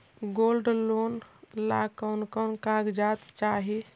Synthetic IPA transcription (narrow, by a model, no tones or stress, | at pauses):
ɡolɖlonlakənkənkãɡd͡ʒat̪t͡ʃaɦi